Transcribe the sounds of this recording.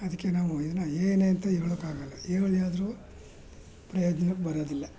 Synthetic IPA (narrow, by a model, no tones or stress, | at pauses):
ɐd̪ɐkːenaːʋuid̪ɐnːɐeːneɐnt̪ɐiɡɐɭokːaːɡɐlːɐeːɡɐɭijaːd̪ɾuː | pɾɐjoːd͡ʒnɐnɐbɐɾoːd̪ilːɐ